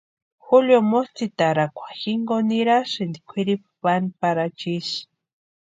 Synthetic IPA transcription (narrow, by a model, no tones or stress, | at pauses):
xuljomost̪it̪aɾakʷḁxiŋɡoniɾaʃɨnd̪ikʷʰiɾippanipaɾat͡ʃiʃ